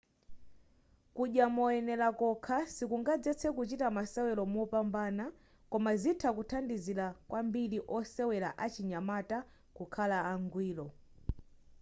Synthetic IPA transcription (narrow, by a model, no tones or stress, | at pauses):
kuʄjamɔɛnɛlakɔkʰasikuŋɡad͡zɛt͡sʰɛkut͡ʃitamasɛwɛlɔmɔpambaːna | kɔmazitʰakutʰandizilakwambiliʔɔsɛwɛlaʔat͡ʃiɲamata | kukʰalaaŋɡwiːlɔ